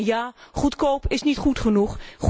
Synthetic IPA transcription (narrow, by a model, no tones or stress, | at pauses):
jaːχutkowpɪsnitχutχənuχχ